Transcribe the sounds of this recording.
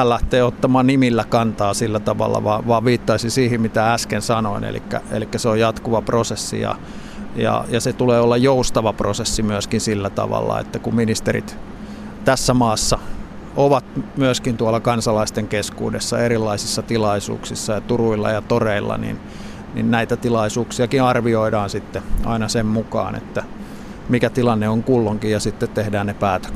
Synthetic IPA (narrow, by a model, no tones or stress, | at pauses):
æːlːæht̪eːot̪ːɑmɑːnnimilːækɑnt̪ɑːsilːæt̪ɑʋɑ̰lːɑ̰ʋɑːʋʋɑːʋʋiːt̪ːɑisinsiːhimmit̪ææskensɑnoinḛlḭkːæ̰ḛlikːæseojjɑt̪kuʋɑprosesːḭjɑ̰ | jɑ̰jɑset̪uleːolːɑjjoust̪ɑʋɑprosesːimyøskinsilːæt̪ɑ̰ʋɑ̰lːɑ̰ḛt̪ːækumminist̪erḭt̪ | t̪æsːæmɑːsːɑ | ʔoʋɑt̪myøskint̪uɑlːɑkɑnsɑlɑist̪eŋkeskṵːdesːɑerilːɑisisːɑt̪ilɑisṵːksisːɑjɑt̪uruilːɑ̰jɑt̪oreilːɑ̰nḭn | nḭnnæit̪æt̪ilɑisuːksiɑkiɑrʋioidɑːnsit̪ːeʔɑ̰inɑsemmukɑ̰ːnḛt̪ːæ | mikæt̪ilɑnːeoŋkulːoŋkijjɑsit̪ːet̪t̪ehdæːnnepæːt̪ø̥